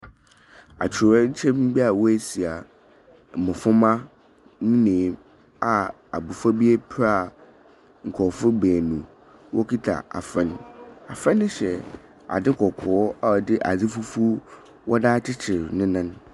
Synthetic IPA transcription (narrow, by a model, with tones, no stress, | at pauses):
a̰˨t͡ɕʰɪ˨a˦ɲ̩˦t͡ɕʰɛ̃˦m̩˦bi˦a˨wɔ˦e˦si˨a˨ | mʊ̃˨fʊ̃˦mã˦ | nĩ˦nẽː˨˦m | a˨ | a̰˨bu˨fa˦bi˦e˦pʰɾa˦˨ | ŋ̩˨kʰɔ˨fʊ˦beː˨nũ˨ | wʔɔ˦kʰi˦tʰa̰˨a̰˨fɛ̃˦na̰˨fɛ̃˦nːɪ̃˦ɕɛ˨ | a̰˨dɪ˦kʰɔ˨kʰɔː˨˦a˦˨dɪ˦ʔa˨d͡zɪ˦fu˦fu˦ | wʔɔ˦daː˦t͡ɕʰɪ˦t͡ɕʰɪ˨ɾnɪ̃˦nã˦n